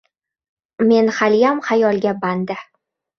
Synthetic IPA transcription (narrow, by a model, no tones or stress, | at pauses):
me̞nχaljamχajɒlˠɡʲaband̪ɪ